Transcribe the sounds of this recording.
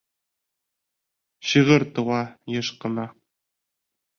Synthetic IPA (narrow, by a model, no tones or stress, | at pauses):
ɕɤʁɤɾt̪ɤ̆wɑjɤ̆ʃqɤ̆nɑ